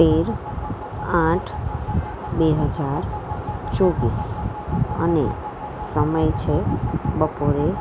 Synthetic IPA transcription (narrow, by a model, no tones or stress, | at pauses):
t̪eɾ | ãʈʰ | beɦəd͡ʒaɾt͡ʃobis | əne | səməjt͡ʃʰebəpoɾe